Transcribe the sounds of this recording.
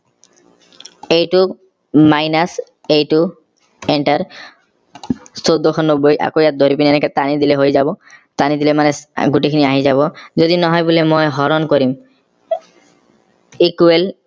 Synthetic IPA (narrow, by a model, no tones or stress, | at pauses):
ejʈu | majnas | ejʈu | eɳʈaɾ | sod̪ːokʰɔnobːojʔa̰kojat̪̚d̪oɾipiniɛneket̪anid̪ileɦojd͡ʑabɔt̪anid̪ilemaneɡuʈikʰiniaɦid͡ʑaβɔd͡ʑod̪inɔɦɔebolemɔjɦɔɾonkoɾim | ikuel